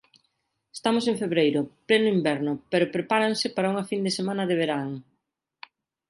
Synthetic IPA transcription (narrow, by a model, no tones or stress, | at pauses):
e̥st̪amʊsẽŋfeβɾejɾʊplɛnʊimbɛɾnʊpeɾʊpɾepaɾaŋsɪpaɾɐuŋɐfind̪esemãnɐðɪβ̞eɾaŋ